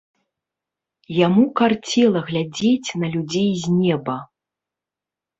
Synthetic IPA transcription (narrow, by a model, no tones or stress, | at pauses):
jamukart͡sʲɛlˠɐɣlʲad͡zʲet͡sʲnɐlʲud͡zʲejzʲnʲɛbɐ